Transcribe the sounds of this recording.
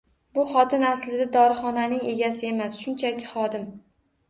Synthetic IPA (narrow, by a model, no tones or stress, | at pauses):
bʊχɒt̪ʰɪnaslɪd̪ad̪ɒɾɪχɒnanɪŋe̞ɡʲasɪe̞masʃʊnt͡ʃʰakʲɪ̥χɒd̪ɪm